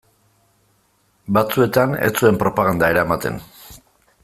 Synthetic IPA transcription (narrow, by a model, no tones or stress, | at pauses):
bat͡sue̞t̪ane̞̰t͡sue̞mpɾo̞paɣ̞and̪aeɾaemat̪e̞̰n